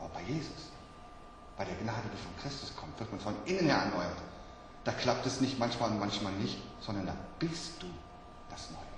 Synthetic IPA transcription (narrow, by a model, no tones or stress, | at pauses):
bɐb̥aɪjeːzʊs | b̥aɪɾeːɐɡnaːdədiːfɔnkʁ̥ɪstʊskʰɔmtv̥ɪɐt̚manfɔnʔɪnənheːɐɛɐnɔʏɐt | d̥aːkʰl̥ap̚tɛsnɪçtmançmaːlʊnmançmaːlnɪçtz̥ɔndɐnda̰ːb̥ɪst̚d̥uː | d̥asnɔ̰ʏəə